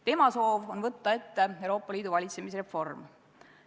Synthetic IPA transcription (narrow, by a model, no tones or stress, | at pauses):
t̪e̞mɑso̞ːvo̞nvɤt̪ːɑe̞t̪ːe̞ewɾo̞ːpːˑɑliːd̪̥uvɑlʲit̪se̞mis̬re̞fo̞rm